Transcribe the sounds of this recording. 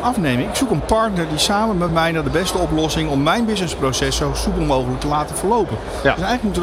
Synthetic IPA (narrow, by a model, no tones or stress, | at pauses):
ɑfnejmənɪksukənpɑɹtnəɹdisaːməmɛtmɛjnaːdəbɛstəɔplɔsɪŋɔmːɛjnbɪznəsprosɛsowsupəlˠmowχələk̚təlaːtəfəɹlowpən | døsɛjχələk̚mutə